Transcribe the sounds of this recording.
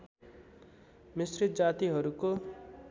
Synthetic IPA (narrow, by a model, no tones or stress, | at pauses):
misrit̪̚d͡zat̪iɦʌɾuko